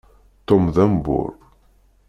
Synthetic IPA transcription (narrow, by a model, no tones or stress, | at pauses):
t̪ːomðæmbʊ̰ɾ